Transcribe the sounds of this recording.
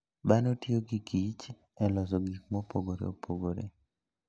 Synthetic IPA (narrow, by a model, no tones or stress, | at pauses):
banotjoɡikit͡ʃ | ɛlɔs̬ɔɡik̚mɔpoɡoɾḛopʰoɡoɾḛ